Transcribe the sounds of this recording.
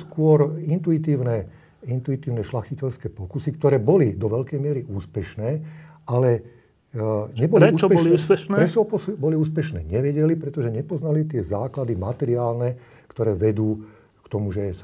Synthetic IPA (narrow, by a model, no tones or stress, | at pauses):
skʊɔɾint̪uit̪iːʊnɛ | int̪uit̪iːʊnɛʃlaxicɛʎskɛːpɔkusikt̪ɔɾɛːbɔlid̪ɔʋɛʎkɛjmɪɛɾiʔuːspɛʃnɛːʔalɛ | ɲɛbɔlɾiɛut͡ʃɔbpɛliuːspɛʃnɛɾɛt͡ʃɔpɔsbɔliuːspɛʃnɛ̰ːɲɛʋɛɟɛlipɾɛt̪ɔʒɛɲɛpɔznalit̪ɪɛzaːklad̪imat̪ɛɾiaːlnɛ | kt̪ɔɾɛːʋɛd̪uː | kt̪ɔmuʒɛs